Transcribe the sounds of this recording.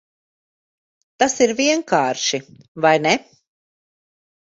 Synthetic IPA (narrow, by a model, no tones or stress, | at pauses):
t̪asiɾviɛŋkaːɾʃi | vajnɛ